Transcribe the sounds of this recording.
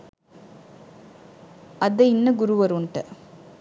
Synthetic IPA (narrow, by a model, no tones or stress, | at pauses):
ɐðɐɪnːɐɡʊɾuʋɐɾuɳʈɐ